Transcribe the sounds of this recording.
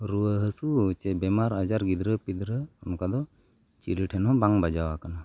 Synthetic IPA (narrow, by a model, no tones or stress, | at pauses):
ɾuəɦəsut͡ʃɛbɛmaɾad͡ʒaɾɡid̪ɾəpid̪ɾəɔnɔkad̪ɔ | t͡ʃiɾiʈʰɛnɦɔ̃baŋbad͡ʒawakana